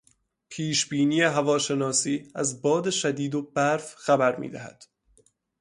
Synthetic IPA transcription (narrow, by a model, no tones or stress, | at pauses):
pʰiːʃbiːniːjeɦævɒːʃe̞nɒːsiːæzbɒːd̪e̞ʃæd̪iːd̪obæɾfxæbæɾmḭːd̪æhæ̰d̪̥